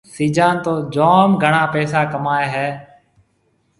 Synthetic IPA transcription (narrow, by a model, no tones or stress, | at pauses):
siːd͡ʒaːnt̪oːd͡ʒoːmɡʱəɳaːpɛːsaːkəmaːeːɦɛː